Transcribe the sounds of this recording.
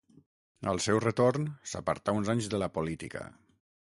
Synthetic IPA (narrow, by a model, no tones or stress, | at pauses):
ə̰lˠsɛwrət̪ornsə̰pə̰ɾt̪aunzaɲzðələpolit̪ikə̰